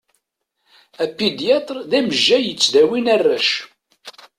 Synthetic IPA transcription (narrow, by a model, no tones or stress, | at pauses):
æpːid̪jɑt̪ˤɾðæməʒːæjət͡sːðæwinærːæʃ